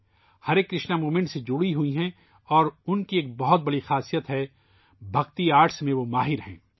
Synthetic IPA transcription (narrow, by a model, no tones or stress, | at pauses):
hɐɾeːkːɾɪʃnamuːmɪ̃ɳʈsed͡ʒʊɽiɦuiɦɛ̃ | ɔːɾʊnkieːk̚bɐɦʊt̪̚bɐɽixaːsijət̪ɦɛ | bʱɐɡt̪iaːɾʈsmẽʋomaːɦɪɾɦɛ̰̃ː